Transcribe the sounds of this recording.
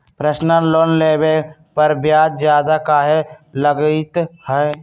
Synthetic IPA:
pɾəʃnəloːnleːbe | pəɾbjaːd͡ʒd͡ʒjaːd̪akaːɦeləɡt̪hɛː

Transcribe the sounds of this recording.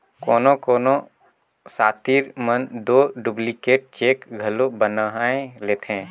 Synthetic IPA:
kɔːnokoːno | saːt̪iːɾmənd̪oːɖublikeːʈ̚t͡ʃeːkɡʱɐlobənaɦaẽleːt̪ʰẽː

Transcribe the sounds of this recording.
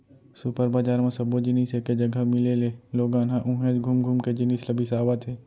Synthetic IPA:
supəɾbaːd͡ʒaːɾmãsɐbod͡ʒɪniseked͡ʒɐɡəmɪleleloːɡãnɦãʔũːɦẽd͡ʒɡʱuːmɡʱuːmked͡ʒɪniːslɐbʱisaːʋat̪ʰeː

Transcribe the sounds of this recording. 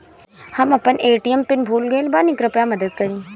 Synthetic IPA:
hɐmɐpəneːʈijəmpɪnbʱuːlɡəelbaːnɪkɾɐpjaːmɐd̪əd̪̚kɐɾĩː

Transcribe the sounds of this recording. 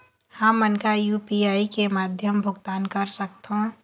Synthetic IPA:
hãːənkajuːpiaːikemaːd̪ʱjəmbʱʊɡt̪aːnkɐɾsək̚t̪ɦõ

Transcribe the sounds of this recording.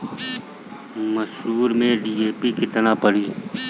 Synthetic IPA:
məʃuːɾmẽːɖiːeːpikɪt̪ənaːpəɽiː

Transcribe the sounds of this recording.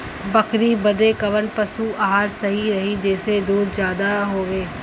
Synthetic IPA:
bəkɾiːbəd̪eːkəʋənpəsuːʔaɦaːɾsəɦiɾəɦiːd͡ʒeːsed̪uːd̪d͡ʒjaːd̪aːɦoːʋeː

